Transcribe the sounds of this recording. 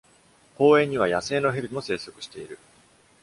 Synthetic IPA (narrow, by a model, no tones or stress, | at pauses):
ko̞ːẽ̞ɲ̟ːiβ̞ajase̞ːno̞ɦeɾɯmo̞se̞ːso̞kɯ̟̥ɕi̥t̪e̞iɾɯ̟